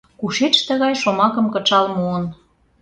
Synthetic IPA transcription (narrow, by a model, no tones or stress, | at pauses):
kuʃet͡ʃt̪ə̆ɣɑjʃomɑkə̆mkɤ̆t͡ʃɑlmoən